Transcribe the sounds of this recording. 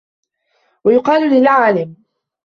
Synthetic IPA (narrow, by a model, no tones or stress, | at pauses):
wajʊqɑːllɪlʕaːlɪm